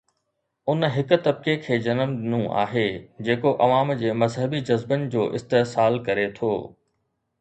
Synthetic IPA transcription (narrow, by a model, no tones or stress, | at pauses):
ʊnɦɪkʊ̆t̪ɐb̚kekʰeːd͡ʑɐnəmɗɪnũʔa̰ːɦed͡ʑeːkoʔɐʋaːmd͡ʑeːmɐzɦəbid͡ʑɐzbənɪ̆d͡ʑoːʔɪst̪esaːlkɐɾet̪ʰo̰ː